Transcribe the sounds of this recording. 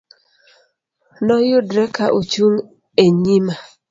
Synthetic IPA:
nɔjʊdɾɛkaʔot͡ʃuŋ | eɲima

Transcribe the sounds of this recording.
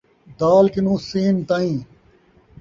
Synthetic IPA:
d̪aːlkɪnũːseːnt̪ãːĩː

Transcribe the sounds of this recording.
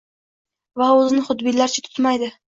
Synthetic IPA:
vaɵzɪnɪχʊd̪bɪlaɾt͡ʃʰat̪ʰʊ̥t̪majd̪ɪ

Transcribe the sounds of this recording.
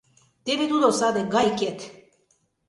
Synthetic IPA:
t̪eβed̪ud̪osad̪eɡajkʲet̪

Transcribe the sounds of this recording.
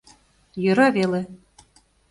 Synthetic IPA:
jɤ̆ɾɑvele

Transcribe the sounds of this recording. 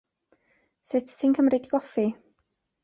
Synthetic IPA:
sɪtʰsinkʰəmɾrɪdiɡɔfi

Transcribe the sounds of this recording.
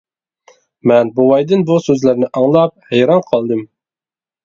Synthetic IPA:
mɛnbobɑjd̪ɪnbusøzlæɾnɪʔɑŋlˠɑp̚hɛjɾɑnqʰɑlˠd̪ɨm

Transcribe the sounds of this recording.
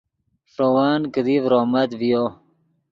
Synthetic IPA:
ʂowaːnkəd̪ivɾomɐt̪vijo

